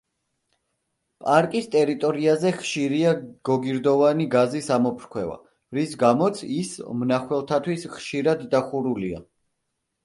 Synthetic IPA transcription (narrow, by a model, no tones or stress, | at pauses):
pʼaɾkʼist̪ʼɛɾit̪ʼɔɾiazɛχʃiɾiaɡ̥ɔɡiɾd̪ɔvaniɡazisamɔpʰɾkʰwɛva̰ | ɾisɡamɔt̪sʰismnaχwɛlˠt̪ʰat̪ʰwisχʃiɾad̪ːaχuɾulia̰